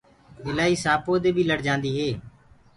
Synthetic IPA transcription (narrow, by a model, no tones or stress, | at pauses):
ɪlaːiːsaːpoːd̪eːbʱiːləɽd͡ʒãːnd̪iːɦeː